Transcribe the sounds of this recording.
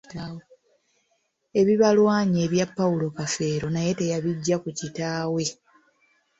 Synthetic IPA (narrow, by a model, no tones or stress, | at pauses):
e̞βiβalwaːɲe̞ːβjapːaulo̞kafe̞ːɾo̞naje̞te̞jaβiɟːakucitaːwe̞